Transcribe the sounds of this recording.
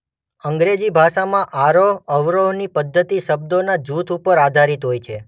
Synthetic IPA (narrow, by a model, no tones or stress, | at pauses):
əŋɡɾed͡ʒibʱaʃamãʔaɾoəʋɾonipəd̪ʱːət̪iʃəb̚d̪onad͡ʒut̪ʰupəɾad̪ʱaɾit̪ɦojt͡ʃʰe